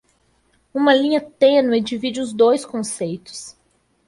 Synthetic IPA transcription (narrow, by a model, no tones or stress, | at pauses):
ũmɐlĩɲɐt̪ẽnʊɛd͡ʒivid͡ʒɪʊzd̪ojskõsejt̪ʊ̥s